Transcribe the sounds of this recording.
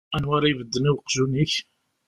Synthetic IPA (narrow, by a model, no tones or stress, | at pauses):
ænwaɾajvəd̪ːəniwqːʒuniç